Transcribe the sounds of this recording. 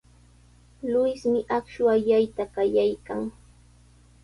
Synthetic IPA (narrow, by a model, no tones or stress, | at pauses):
lʊjsmɪʔakʃwaʎajt̪akajajkaŋ